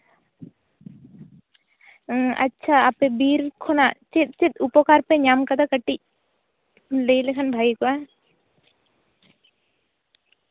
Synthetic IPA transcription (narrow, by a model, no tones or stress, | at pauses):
ɐ̰tːʃʰaaːpebiːɾkʰonat͡ʃɪt̪̚t͡ʃɪt̪upokaːɾpeɲaːmkɐd̪akɐʈːi | leilekʰənbʱaːikoa